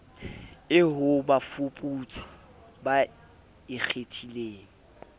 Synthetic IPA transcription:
ɪɦʊbafupʼut͡sʼḁ | ba | ɪk͡xʰetʰileːŋ̩

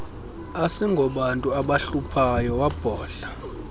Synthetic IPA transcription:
asiŋɡʱɔɓantʼuaɓaɬupʰajɔwab̥ʱɔːɬḁ

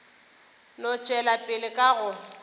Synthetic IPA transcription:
lʊt͡ʃʼwɛlapʼɪlɪkʼaɣʊ

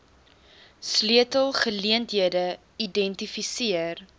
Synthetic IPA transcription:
sliətəlˠχəliəntɦiədə | idɛntifisiər

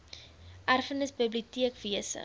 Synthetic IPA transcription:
ʔærfənəsbəbliutiəkv̥iəsə̰

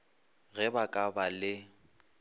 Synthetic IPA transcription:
ɣɛbakʼabalɪ

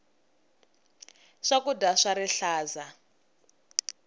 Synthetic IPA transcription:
ʂakudaʂaɾiɬaːza

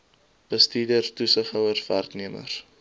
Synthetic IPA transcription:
b̥əstiːdərtusəχœwərværkniəmə̰r

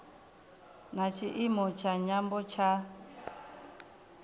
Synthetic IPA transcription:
nat͡ʃʰiʔimɔt͡ʃʰaɲambɔt͡ʃʰa

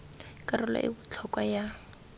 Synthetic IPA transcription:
kʼarʊla̰ʔɪ̰bʊt͡ɬʰɔkʼwaja

